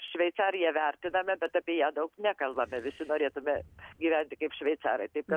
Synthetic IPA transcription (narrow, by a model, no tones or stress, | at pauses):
ʃʲʋʲɛɪt̪sɑːɾʲɪjɛʋʲæɾʲt̪ʲɪnɐmʲɛbʲɛt̪ɑpʲiːjæːd̪ɐʊknʲækɐlˠbɐmʲɛʋʲɪsʲɪnoːɾʲeːt̪ʊmʲɛɡʲiʋʲænʲt̪ʲɪkɐɪpʃʲʋʲɛɪt̪sɑ̰ːɾɐɪt̪ɐɪp̚kɐt̪